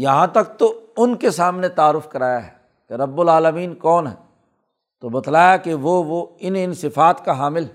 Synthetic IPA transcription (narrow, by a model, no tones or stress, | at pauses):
jɐɦãt̪ɐk̚t̪oʊnkesaːmnet̪aːɾʊfkɐɾaːjaɦɛː | keɾɐbːʊlaːləmiːnkɔːnɦɛ̰ː | t̪obɐt̪laːjakeʋoʋoɪnɪnsɪfaːt̪kaɦaːmɪlɛ